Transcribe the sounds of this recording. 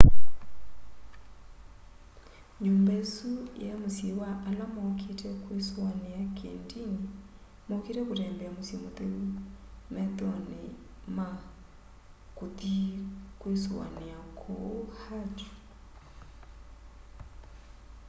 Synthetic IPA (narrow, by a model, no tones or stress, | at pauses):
ɲoːmbaesujamosjewaʔalamɔkʰetɛkweswaneakʰḛndiŋe | mokeɾɛkoɾɛːmbɛamosjemoteumɛtɔne | ma | kotikwesa̰neakʰohatu̥